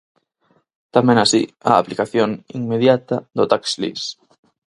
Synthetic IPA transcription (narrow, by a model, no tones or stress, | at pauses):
t̪amẽŋasḭa̰ːplikaθjoŋiŋmeðjat̪ɐðʊt̪akslḭs